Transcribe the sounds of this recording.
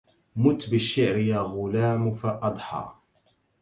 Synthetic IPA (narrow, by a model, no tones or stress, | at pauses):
mʊt̪ːbɪʃːɪʕɾjaːɣʊlaːmfaʔɑd̪ˤħɑ̰